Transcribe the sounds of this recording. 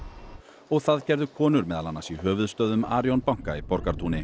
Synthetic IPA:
ɔɣθaðcɛɾðʏkʰɔːnʏɾmɛːðalanːasiɦœːvʏðst̪œːðʏmaːɾjɔnpawŋ̥kaipɔɾkaɾt̪ʰuːnɪ

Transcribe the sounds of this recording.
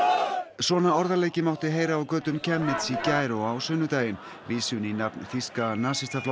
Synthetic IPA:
sɔːnaɔɾðaleːjcɪmawht̪ɪɦeːjɾaːwkœːt̪ʏmcʰɛmnɪt̪sicaːjɾowawsʏnʏt̪aːjɪn | viːsʏninapnθiskanaːsɪst̪afl

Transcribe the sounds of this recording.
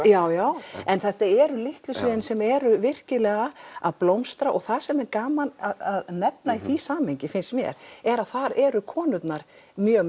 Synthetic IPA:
jaːwjaːwɛnθɛht̪aɛɾʏlɪht̪lʏsvɪːðɪnsɛmɛɾʏvɪr̥cɪlɛːɣaa̰ðplowmst̪ɾaʔɔɣθaðsɛmɛɾkaːmanaðaðnɛt̪naiθisaːmhejɲcɪfɪnst̪mjɛ̰ɾ̥ɛɾaðθaɾɛɾʏkʰɔːnʏt̪naɾ̥ | mjœːɣ

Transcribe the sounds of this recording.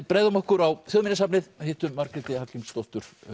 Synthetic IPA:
pɾeːjðʏmɔhkʏɾawθjoːðminasapnɪðhɪːht̪ʏːaɾkɾɛt̪ɪhacɪmskowht̪ʏɾ̥

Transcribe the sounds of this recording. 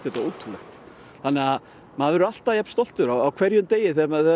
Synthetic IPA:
ɛt̪auːt̪ʰulɛxt̪ | θanːɛɣa | maðvɛɾal̥t̪aðjɛpn̥st̪ɔl̥t̪ʏɾawawkʰv̥ɛɾjʏmt̪eːjɪθɛmaθɛ

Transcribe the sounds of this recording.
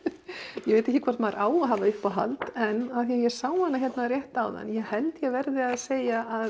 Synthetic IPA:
jɛveːjt̪ɛhçcːɪkvaɾ̥t̪maɾʔaːwaɦaːvaʏhpaɦa̰lt̪ɛnːaθijɛɾ̥saːwmanːaçɛt̪naðrjɛht̪awða̰njɛɣhɛlt̪jɛɣvɛɾðɪaðseːjaað

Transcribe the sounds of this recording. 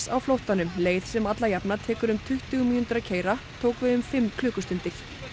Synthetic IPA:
sa̰wflowht̪anʏmleːjθsɛmat̪lajapnat̪ʰɛːkʏɾʏmt̪ʰʏht̪ʏɣmiːnnt̪ʏɾacʰeːjɾat̪ʰoːwkvɪðʏmfɪmːkʰlʏːkʏst̪ʏnt̪ɪɾ̥

